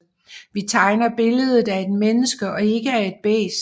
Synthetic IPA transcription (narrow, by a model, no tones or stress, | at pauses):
ʋit͡sʰɑ̈ɪnɐb̥e̝ləð̞ˠð̩ˠæe̝d̥menəsɡ̥əʔɒ̽e̝ɡ̥əæɐe̝d̥̚b̥ḛːs